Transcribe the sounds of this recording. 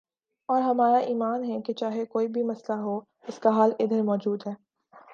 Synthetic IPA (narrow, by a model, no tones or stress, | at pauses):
ɔːɾɦɐmaːɾaʔiːmaːnɦɛket͡ʃaːɦekoːibʱimɐslaɦo | ɪskaɦaːlɪd̪əɾmɔːd͡ʒuːd̪ɦɛː